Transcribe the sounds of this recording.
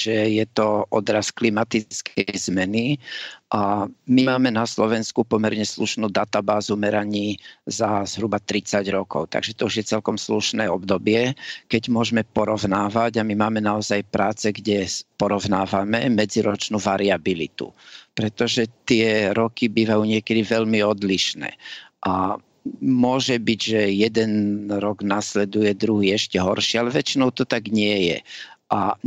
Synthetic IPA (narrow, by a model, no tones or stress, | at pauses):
ʒ̥ɛjɛt̪ɔʔɔd̪ɾasklimat̪it͡skʰɛjzmɛniʔamimaːmɛnaslɔʋɛnskupɔmɛɾɲɛsluʃnuːd̪at̪abaːzumɛɾaɲiːzaz̥ɦɾubat̪ɾit͡saɟɾɔkɔ̰ʊt̪a̰ɡʒɛt̪ɔuʒjɛt͡sɛlkɔmsluʃnɛːɔbd̪ɔbɪɛkɛɟmʊɔʒmɛpɔɾɔʊnaːʋaɟamimaːmɛnaɔzajpɾaːt͡sɛɡɟɛpɔɾɔʊnaːʋamɛmɛd͡ziɾɔt͡ʃnuʋaɾiabilḭt̪ṵpɾɛt̪ɔʒɛt̪ɪɛɾɔkibiːʋajuːɲɪɛkɛd̪iʋɛʎmiɔd̪liʃnɛ̰ːʔa | mʊɔʒɛbiɟʒɛjɛd̪ɛnɾɔɡnaslɛd̪ujɛd̪ɾuɦiːɛʃcɛɦɔɾʃɪɛalɛʋɛt͡ʃinɔʊt̪ɔt̪aɡɲɪɛjɛ̰ʔa